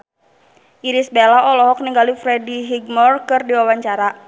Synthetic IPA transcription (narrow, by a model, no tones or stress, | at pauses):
ʔiɾisbelaʔɔlɔɦɔk̚niŋɡalifɾɛdiɦiɡmɔrkɨrdiwawaɲt͡ʃaɾa